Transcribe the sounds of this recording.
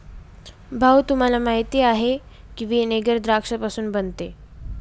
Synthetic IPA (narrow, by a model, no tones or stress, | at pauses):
bʱawt̪um̤alamaɦit̪iːaɦe | kĩʋiːneɡəɾd̪ɾakʂəpasuːnbənt̪e